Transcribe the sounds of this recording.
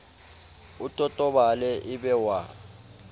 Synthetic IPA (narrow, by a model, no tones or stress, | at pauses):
utʼɔtʼɔɓalɛʔiɓɛwa